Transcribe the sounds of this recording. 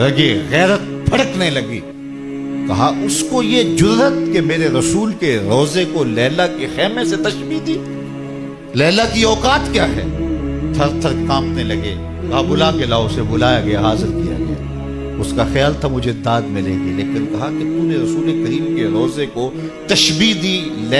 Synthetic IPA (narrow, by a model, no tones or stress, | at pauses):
ɾɐɡeɣɛːɾət̪̚ | pʰɐɽəknɐĩlɐɡḭː | kɐɦaʔʊskojed͡ʒʊɾət̪kemeːɾeɾɐsuːlkeɾɔːzekolɛːlakexɛːmẽset̪ɐʃbid̪iː | lɛːlakiɔːkaːt̪kjaːɦɛ̰ːt̪ʰɐɾt̪ʰɐɾkãːmnĩlɐɡḛː | kaːbʊlakelaːosebʊlaːjaɡɐjaɦaːzɪɾkija̰ɡɐ̰ja̰ | ʊskaxjaːlt̪ʰamʊd͡ʒʱed̪aːd̪mɪlḛ̃ːɡileːkɪnkɐɦaket̪uːneɾɐsuːlekɐɾiːmkeɾɔːzeko | t̪ɐʃbiːd̪iːlɛː